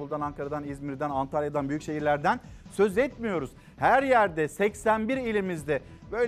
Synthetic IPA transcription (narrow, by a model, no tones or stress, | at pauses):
ulˠd̪anaŋkʰaɾad̪anizmiɾd̪ænant̪ʰaljad̪anbyjycʃe̞ɦiɾlʲæɾd̪ænsø̞zɛt̪mijo̞ɾuz̥ | hæɾjæɾd̪ɛsɛcsænbiɾilʲimizd̪ɛ | bø̞l